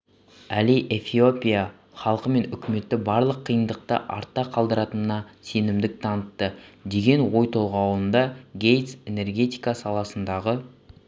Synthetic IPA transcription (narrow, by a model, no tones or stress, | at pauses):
æliʔe̞fio̞pʲija | χɑlˠqəme̞nʏkʲɪme̞t̪ːɪbɑɾlˠəqʰːijənd̪əq̚t̪ə̰ʔɑ̰ɾt̪ːɑqʰɑlˠd̪əɾɑt̪ənənɑse̞nɪmd̪ɪk̚t̪ʰɑnət̪ːəd̪e̞ɡʲe̞nwo̞jt̪ʰo̞lˠʁɑwlˠənd̪ɑɡʲe̞jt̪se̞ne̞rɡʲe̞t̪ijkasɑlˠɑsənd̪ɑʁə